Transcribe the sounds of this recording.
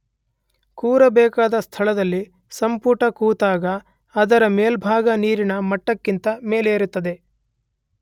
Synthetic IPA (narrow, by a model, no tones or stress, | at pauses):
kuːɾɐbɛːkaːd̪ɐst̪ʰɐɭɐd̪ɐlːi | sɐmpuʈɐkuːt̪aːɡɐː | d̪ɐɾɐmeːlbʱaːɡɐniːɾinɐmɐʈːɐkːint̪ɐme̞ːleːɾut̪ːɐd̪e̞